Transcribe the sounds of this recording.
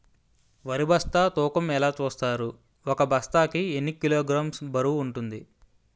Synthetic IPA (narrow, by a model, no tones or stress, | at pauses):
ʋɐɾibɐst̪aːt̪uːkɐmɛlaːt͡ʃuːst̪aːɾu | ɔkɐbʱɐst̪aːkienːikːiloːɡɾaːmsbɐɾuːɳʈund̪i